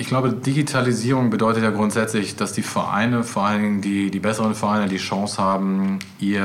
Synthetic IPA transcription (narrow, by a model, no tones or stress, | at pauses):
ʔɪçɡ̥laʊbədiɡitʰaliziːʁʊŋbədɔʏtətjaːɡʁʊntz̥ɛt͡slɪçd̥asd̥iːfɛɐʔa̰ɪnəfoːɐʔalnɪɡŋ̩diːdiːbɛsəʁənfɛɐʔaɪnədiːʃɑ̃ŋshaːbm̩ | ʔiː